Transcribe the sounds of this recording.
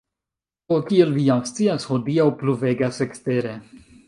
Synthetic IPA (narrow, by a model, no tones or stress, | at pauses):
okielvijamst͡siashodiawpluve̞ɡase̞kste̞ɾe̞